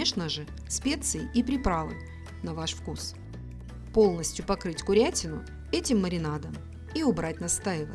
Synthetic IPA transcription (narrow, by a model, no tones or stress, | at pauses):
eʂnəʐɨ | sʲpʲe̞t̪sɨɪʔipɾʲɪpɾavɨ̰nʲ | nɐvaʂfkus | po̞lˠnəsʲtʲjʊpɐkɾɨtʲkʊɾʲætʲɪnʊ̰ | ɛtʲɪmːəɾʲɪnad̪əm | iʊbɾatʲnɐst̪ajɪvə̰